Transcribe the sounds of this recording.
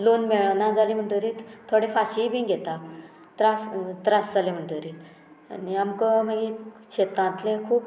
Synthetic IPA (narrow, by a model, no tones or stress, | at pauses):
lonmeɭanad͡zalim̤əɳʈəɾit̪t̪ʰoɽefaɕibĩːɡʱet̪a | t̪ɾast̪ɾasd͡zalem̤əɳʈəɾiːt̪ | niamkəm̤əɡiɕet̪ãnt̪lekʰuːp